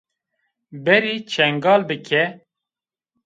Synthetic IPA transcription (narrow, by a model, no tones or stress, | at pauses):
bɛɾiːt͡ʃʰɛŋɡɑːlbɨkʰɛ